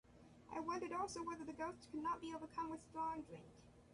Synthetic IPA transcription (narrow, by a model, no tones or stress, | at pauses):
ʔa̰ɪwʌ̃ndəɾɔˑlˠsoʊwɛðə˞ðɨɡoʊstkʰɨdⁿnɑt̚b̥ioʊvə˞kʰʌ̃mwɨð̥stlɔɹ̃ŋdɹɪ̃ŋk